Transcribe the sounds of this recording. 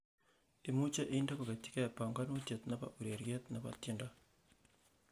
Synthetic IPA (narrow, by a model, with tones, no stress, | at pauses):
e˨mu˦t͡ʃa˦ʔnda˦ko˨ke˨tɪ̥˦kɛ˦˨pa˨ŋɡa˦no˦t͡ʃje˨t̪na˦pa̰˦ʔu˨ɾe˨ɾjɛ˦t̪na˨pa̰˨tje˦nda˦